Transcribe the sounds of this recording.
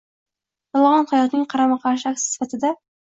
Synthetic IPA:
j̪ɒlˠʁɑnχɑjɒt̪nɪŋqʰɑɾamɑqʰɑɾʃɪak̚ʲt̪ɪ̥sɪ̥fat̪ʰɪd̪a

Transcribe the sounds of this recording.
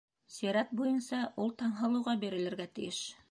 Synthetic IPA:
sijɾæt̪̚bujɤnsɑʔulˠt̪ɑɴɦɤ̆lˠɤ̆wʁɑbiɾɘ̆lɘ̆ɾɡæt̪ɘ̆jɘʃ

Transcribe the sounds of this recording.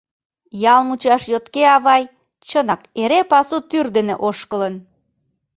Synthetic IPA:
jɑlmut͡ɕɑʃjot̪keɑβɑj | t͡ɕənɑkeɾepɑsut̪yrd̪enḛʔoʃkələn

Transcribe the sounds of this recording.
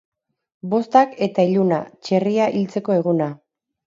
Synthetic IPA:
bo̞st̪ake̞t̪aiʎuna̰t͡ʃe̞riaʔilt͡se̞ko̞e̞ɣ̞una

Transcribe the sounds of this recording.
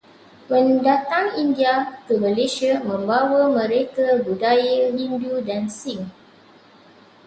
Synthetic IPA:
mə̃ndat̪aŋindiakəmə̃leʃiamə̃mbawəmə̃ɾekabudajəɦindudansiŋ

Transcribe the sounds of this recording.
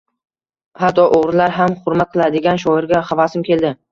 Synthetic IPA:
hat̪ʰːɒʔoʁɾlaɾɦamχʊɾmat̪̚qʰɨlˠad̪ɪɡʲanʃ̬ɒɪɾɡʲaχavasɪmkʲe̞ld̪ɪ

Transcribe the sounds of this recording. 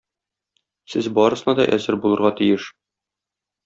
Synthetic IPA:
sɘzbɒɾɤ̆sɤ̆nɑd̪ɒ̰ʔæzɘɾbulˠɤ̆ɾʁɑt̪ijɘʃ

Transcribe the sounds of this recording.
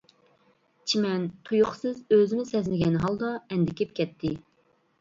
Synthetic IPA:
t͡ʃʰimɛnt̪ʰujʊχsɨzøzɪnɪsɛzlɪɡʲɛnɦɑlˠd̪ɑɛnd̪ɪkʲʰip̚kʲʰɛt̪ʰːɪ

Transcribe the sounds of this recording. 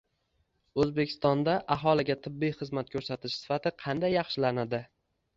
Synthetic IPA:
ɵzbekʲʰɪ̥st̪ɒnd̪aʔaɦɒlɪɡʲat̪ʰɪbːijχɨzmat̪̚kʰɵɾsat̪ʰɪʃsɪ̥fat̪ʰɪqʰɑnd̪ajːɑχʃɪlanad̪ɪ

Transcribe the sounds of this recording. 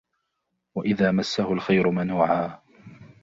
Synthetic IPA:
waʔɪðaːmasːahʊlxajɾʊmanuːʕaː

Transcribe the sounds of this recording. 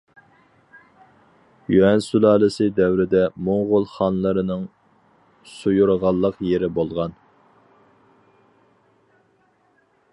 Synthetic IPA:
juɛnsulˠɑːlˠɨsɨd̪ɛwɾɪd̪ɛmoŋʁʊlˠχɑnlˠəɾɨnɨŋ | sujuɾʁɑlˠːəqjeɾɪbolˠʁɑn

